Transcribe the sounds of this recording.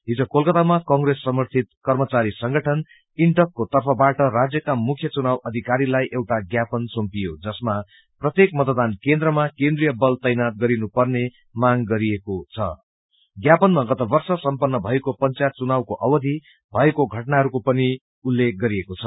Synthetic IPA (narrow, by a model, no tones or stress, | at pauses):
ɦid͡zokolkʌt̪amakʌŋɡresːʌmʌrt̪ʰit̪̚kʌrmʌt͡saɾisʌŋɡʌʈʰʌn | iɳʈʌkːot̪ʌrpʰʌbaʈʌrad͡zjʌkamukʰjʌt͡sunawʌd̪ʱikaɾilajʔewʈaɡjapʌnsompijod͡zʌsma | prʌt̪jekmʌt̪d̪ankend̪rʌmakẽnd̪rijʌbʌlt̪ʌjnat̪̚ɡʌɾinupʌrne | maŋɡʌɾiekot͡sʰʌ̰ | ɡjapʌnmaɡʌt̪ʌbʌrsʌsʌmpʌnːʌbʱʌekopʌnt͡sajt̪̚t͡sunawkoʔʌwʌd̪ʱi | bʱʌekoɡʱʌʈnaɦʌɾukopʌni | ulːek̚ɡʌɾiekot͡sʰʌ